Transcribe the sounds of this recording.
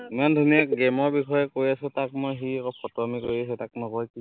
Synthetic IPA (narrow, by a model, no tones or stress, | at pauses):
imandʱuniak̚ɡɛmɔɹbikʰɔjɛkoɹjasʊtak̚mojxiɛkɔpʰɔtɔamikoɹias̬ɛtak̚nɔkɔjki